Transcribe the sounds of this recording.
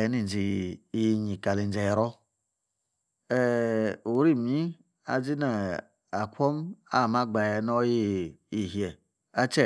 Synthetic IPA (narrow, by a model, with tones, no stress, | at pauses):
ɛ˨˦ni˦˨n˨d͡ʒi˨ji˧ɲi˨ka˨li˨n˨d͡ʒɛ˧jɾɔ˦ | ɛ˦u˨˦ɾi˦˨mi˦ | a̰˨d͡ʒi˦na˨ | a˨kʷɔ˦ma̰˦˨ma˦ɡ͡ba˨jɛ˧nɔ˦ji˦i˨ɦjɛ˨ | a˦t͡ʃɛ˦˨